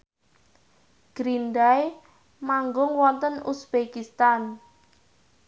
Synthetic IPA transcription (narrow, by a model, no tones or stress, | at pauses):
ɡ̥ɾindaj | maŋɡʊŋwɔnt̪ənusb̥ekist̪an